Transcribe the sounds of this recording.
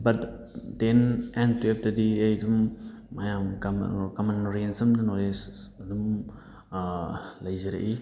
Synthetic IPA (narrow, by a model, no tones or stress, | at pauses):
bɐt | denentwep̚dɐdiɐjdumː | ɐjamɡm̰kɐmanɾensɐmdɐnoles | ɐdum | lɐjzɐɾɐ̰ʔi